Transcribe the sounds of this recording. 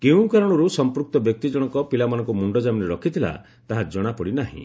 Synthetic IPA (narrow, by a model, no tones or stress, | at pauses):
keũkaɾɔɽ̃ɔɾusɔmpɾuk̚t̪ɔbjɔk̚t̪id͡ʒɔɽ̃ɔkɔpilamanɔ̃ŋkumuɳɖɔd͡ʒamineɾɔkʰit̪ʰila̰ | t̪aɦad͡ʒɔɽ̃apɔɽinaɦḭ̃